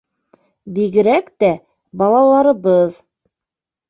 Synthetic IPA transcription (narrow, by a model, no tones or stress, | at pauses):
biɡɘ̆ɾækt̪æ | bɑlˠɑlˠɑɾɤ̆βɤð